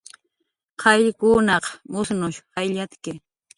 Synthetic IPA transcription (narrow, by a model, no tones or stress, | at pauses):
qʰɑjkʊːnɑqmʊsnʊʃpajʎat̪kɪ